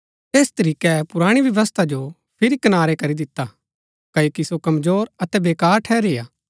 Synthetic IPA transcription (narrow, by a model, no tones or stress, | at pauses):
eːst̪ɐɾiːkɛpʊɾaːɽ̃iʋjɐʋəst̪ʰad͡ʒo | pʰɪɾikɐnaːɾekɐɾid̪ɪt̪ːa | kɐːjoːkisokɐmzoːɾɐt̪ɛbeːkaːɾʈʰɛːɾeːaː